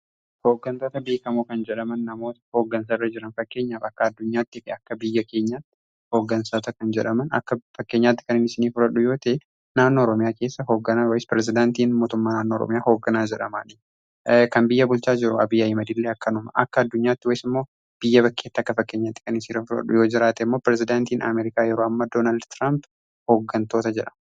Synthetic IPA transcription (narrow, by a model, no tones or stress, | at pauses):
hoːɡːɐnt̪o̞ːt̪ɐbeːkɐmuːkɐnd͡ʒɛᶑɐmɐnːɐmo̞ːt̪ɐ̥ho̞ːɡːɐnsarːɐd͡ʒɪɾɐnfɐkːe̞ːɲːaːfɐkːɐɐd̪ːʊɲːaːt̪ːɪfɪɐkːɐbɪjːɐke̞ːɲːaːt̪ːɪ̥ | ho̞ːɡːɐnsaːt̪ɐkɐnd͡ʒɛᶑɐmɐnɐ̰kːɐfɐkːe̞ːɲːaːt̪ːɪkɐnɪnɪsɪniːfʊɾɐᶑʊjo̞ːt̪ɐ | naːnːoːɾɔmɪjaːke̞ːsːɐɦo̞ːɡːɐnaːwɐjɪspɾɛs̬zɪd̪aːnt̪iːnmoːt̪ʊmːaːnaːnːoːɔɾɔ̰mɪjaːho̞ːɡːɐnaːd͡ʒɛᶑɐma̰ːnɪ | kɐmbɪjːɐbʊlt͡ʃaːd͡ʒɪɾʊɐbɪjaɪmɐd̪ilːeːɐkːɐnʊmɐʔɐ̰kːɐːd̪ːʊɲːaːt̪ːɪwɐjɪsɪmːo̞ː | b̥ɪjːɐbɐkːe̞ːt̪ːɐkːɐfɐkːe̞ːɲːaːt̪ːɪ̥kɐnɪnsiɾɐfʊɾɐ̰ᶑʊ̰jo̞ːd͡ʒɪɾaːt̪ɛɪmːo̞ːpɪɾɛzɪd̪aːnt̪iːnʔɐ̰meːɾɪkaːjɛɾoːɐmːad̪oːnaːld̪t̪ɾamb | ho̞ːɡːɐnt̪o̞ːt̪ɐd͡ʒɛᶑɐ̥mɐ